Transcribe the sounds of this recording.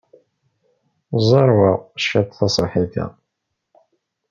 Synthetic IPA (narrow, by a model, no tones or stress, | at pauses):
zˤɑɾˤwɑʃːæt̪θɑsˤħiθæ̰